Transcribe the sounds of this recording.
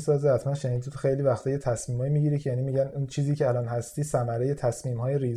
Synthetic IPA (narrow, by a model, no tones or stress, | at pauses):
sɒːzehæt̪ʰmænʃeniːd̪it̪ʰoxejliːvæxt̪ʰɒːjet̪ʰæsmiːmhɒːjimiːɟiːɾicʰejæniːmiːɟænunt͡ʃʰiːziːcʰeælɒːnhæst̪iːsæmæɾeje̞t̪ʰæsmiːmhɒːjeɾiːz